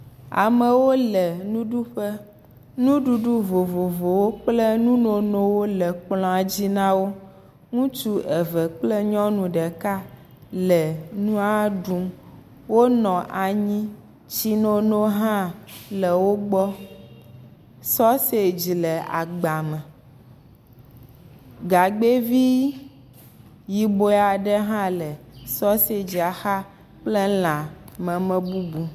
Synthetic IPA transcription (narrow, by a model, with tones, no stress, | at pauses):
a̰˨mɛ˨wo˦lɛ˨nũ˦ɖu˦ɸɛ˦ | nũ˦ɖu˦ɖu˦vo˨vo˨vo˨wo˦k͡plɛ˦nũ˦no˨nõ˦wo˦lɛ˨k͡plɔ̃˨a˨d͡ʑi˦nã˦wo˦ | ŋũ˦t͡ʃu˦ʔɛ˨vɛ˨k͡plɛ˦ɲɔ̃˦nũ˨ɖɛ˨ka˦ | lɛ˨nũ˦a˦ɖu˦m | wo˦nɔ̃˨ʔa˨ɲĩ˦ | t͡ɕi˦no˦no˦ɦã˦lɛ˨wo˦ɡ͡bɔ˦ | sɔ˦se˦d͡ʑi˨lɛ˨a̰˨ɡ͡ba˨mɛ̃˨ | ɡa˨ɡ͡be˦vi˦ | ji˨bo˦˨a˨ɖɛ˦ɦã˦lɛ˨sɔ˦se˦d͡ʑi˨a˨xa˦ | k͡ple˦lã˨mɛ̃˨mɛ̃˦bu˦bu˨